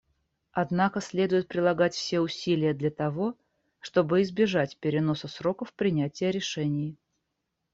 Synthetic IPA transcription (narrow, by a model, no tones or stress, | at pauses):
ɐd̪nakəsʲlʲe̞d̪ʊjɪt̪̚pɾʲɪlˠɐɡatʲfsʲe̞ʊsʲilʲɪjəd̪lʲɐt̪ɐvo̞ | ʂt̪o̞bɨɪzbʲɪʐatʲpʲɪɾʲɪno̞səsɾo̞kəfpɾʲɪnʲætʲɪjəɾʲɪʂɛnʲɪj